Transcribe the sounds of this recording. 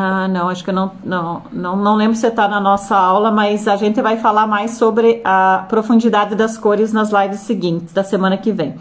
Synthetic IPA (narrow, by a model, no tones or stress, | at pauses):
anɐ̃w̃aʃʊ̥kɪewnɐ̃w̃nɐ̃w̃nɐ̃w̃nɐ̃w̃lẽmbɾʊset̪anɐnɔsɐawlɐmɐzaʒẽnt̪ɪvajfalaɾmajsːobɾɪɐpɾofũnd͡ʒid̪ad̪ɪd̪ɐskoɾɪznɐzlajvɪsːɪɡĩnt̪ɪzd̪ɐsemɐ̃nɐkɪvẽj̃